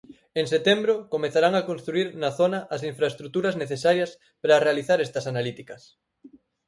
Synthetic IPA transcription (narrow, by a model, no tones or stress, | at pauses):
eŋset̪embɾokomeθaɾaŋakonst̪ɾuiɾnɐθonɐʔɐsiɱfɾaest̪ɾut̪uɾɐzneθesaɾjɐs | pɾarealiθaɾɛst̪ɐsanalit̪ikɐs